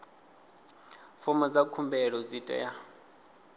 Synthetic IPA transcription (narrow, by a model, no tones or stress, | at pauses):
fɔmɔd͡zakʰumbɛɺɔd͡zitʼɛ̰ja